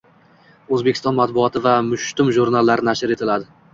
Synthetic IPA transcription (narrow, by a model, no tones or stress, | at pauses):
ɵzbekʲɪ̥st̪ɒnmat̪̚bʊɒt̪ʰɪvamʊʃt̪ʊmʒuɾnalːaɾɪnaʃɪɾe̞t̪ʰɪlad̪ɪ